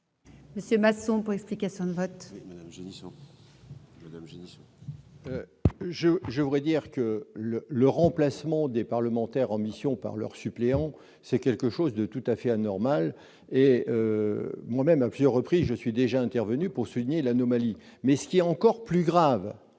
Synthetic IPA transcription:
məsjømasɔ̃puʁɛksplikasjɔ̃d̪əvɔt̪ʒis | mad̪amʒenis | øʒəʒəvud̪ʁɛd̪iʁkələləʁɑ̃plasmɑ̃d̪epaʁləmɑ̃t̪ɛʁɑ̃misjɔ̃pa̰ʁlœ̰ʁsypleɑ̃ | sɛkʲɛlkəʃozd̪ət̪ut̪afɛanɔʁmal | eømwamɛmaplyzjœʁːəpχizʒəsɥid̪eʒaɛ̃t̪ɛʁvənypuʁsuliɲelanɔmali | mɛsə̥kʲiɛɑ̃kɔʁplyɡʁav

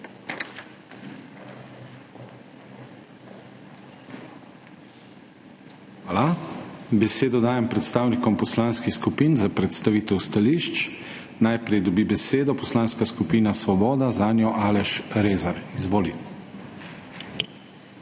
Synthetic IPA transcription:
alabɛseːd̪ɔd̪aːjɛmpɾɛt̪st̪aːwnikɔmpɔslaːnskixskupiːnzapɾɛt̪st̪aʋiːt̪ɛwst̪aliːʃt͡ʃ | najpɾɛjd̪ɔbibɛseːd̪ɔpɔslaːnskaskupiːnasʋɔbɔːd̪azaːnjɔʔaːlɛʃɾeːzaɾizʋoːlit̪

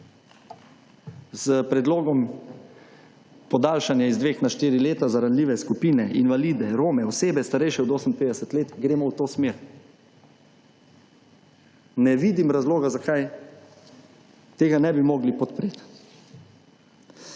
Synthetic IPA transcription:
zəpɾɛd̪loːɡɔm | pɔd̪aːlʃanjaizd̪ʋeːxnaʃt̪iːɾileːt̪azaɾanliːʋɛskupiːnɛʔinʋaliːd̪ɛɾoːmɛɔseːbɛst̪aɾɛjʃɛɔd̪oːsəmpeːd̪ɛsɛt̪leːt̪ɡɾeːmɔwt̪oːsmeɾ | nɛʋiːd̪imɾazloːɡazakaj | t̪eːɡanɛbimɔɡlipɔt̪pɾet̪

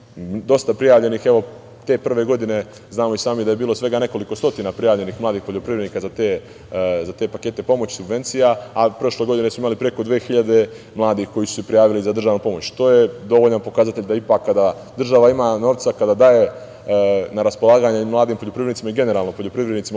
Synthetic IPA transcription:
d̪o̞st̪apɾijaːʋʎenixe̞ʋo̞ | t̪e̞pr̩ʋe̞ɡo̞d̪ine̞ | znaːmo̞isaːmid̪ajebiːlo̞sʋe̞ɡane̞ko̞liko̞st̪o̞t̪inapɾijaːʋʎe̞nixmlˠaːd̪iːxpo̞ʎo̞pɾiʋɾed̪niːkazat̪e | zat̪e̞pake̞ːt̪e̞po̞mot͡ɕsubʋe̞nt̪sijaapɾo̞ʃle̞ɡo̞d̪ine̞smuimalipɾe̞ko̞d̪ʋeːxiʎad̪e̞ | mlˠaːd̪ixko̞jisu̥sepɾijaːʋilizad̪r̩ʒaːʋnupo̞mot͡ɕt̪o̞ːjed̪o̞ʋoʎanpo̞kazat̪eʎʲd̪aipaːkːad̪a | d̪r̩ʒaʋaimano̞ːʋt̪sakad̪ad̪aːje̞ | naɾaspo̞lˠaːɡaɲeimlˠaːd̪iːmpo̞ʎo̞pɾivɾenit̪imaiɡe̞ne̞ɾaːlˠnopo̞ʎopɾiʋɾed̪nit̪sima

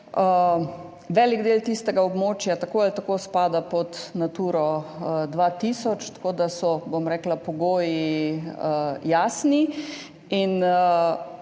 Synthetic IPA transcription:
ə | ʋɛliɡd̪eːlt̪ist̪ɛɡaobmoːt͡ʃjat̪akoːalt̪akoːspaːd̪apɔt̪nat̪uːɾɔd̪ʋaːt̪isɔt͡ʃt̪ḁkoːd̪asɔbomɾɛːklapɔɡoːji | jaːsni | in

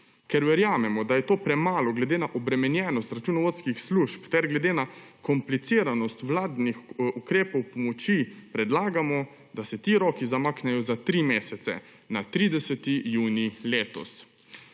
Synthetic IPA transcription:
kɛɾʋɛɾjaːmɛmɔd̪ajɛt̪oːpɾɛmaːlɔɡlɛd̪eːnaʔɔbɾɛmɛnjɛːnɔst̪ɾat͡ʃunɔʋot̪skixsluʃpt̪ɛɾɡlɛd̪eːna | kɔmplit̪siːɾanɔst̪ʋlaːd̪nixukɾeːpɔwpɔmɔt͡ʃipɾɛd̪laːɡamɔ | d̪asɛt̪iːɾɔːkizamaːknɛjɔzat̪ɾimeːsɛt̪sɛ̰ | nat̪ɾiːd̪ɛsɛt̪ijuːnileːt̪ɔ̰s

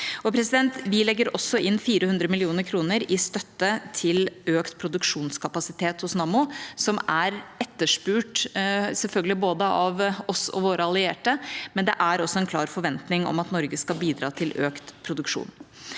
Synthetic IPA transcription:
ɔpʰɾɛsɪd̪ɛnt̪ʋɪlɛɡːəɾɔsɔʔɪnːfiːɾəhʉnd̪ɾəmɪlɪuːnəɾkʰɾuːnəɾɪst̪œt̪ːət̪ʰɪløːkt̪pʰɾʊd̪ʉkʂuːnskʰɑpɑsɪt̪ʰeːt̪hʊsnɑːmʊsɔmæɾɛt̪ːəʂpʉːʈsɛlfœlɡəlɪboːd̪əʔɑʋɔsɔ̰ʋoːɾəɑlɪeːʈəmɛnd̪ɛʔæɾɔsːɔɛnkʰlɑːɾfɔɾʋɛnt̪nɪŋɔ̰mɑt̪nɔɾɡəskɑlbiːd̪ɾɑ̰ːt̪ʰɪløːkt̪pʰɾʊd̪ʉkʂṵːn

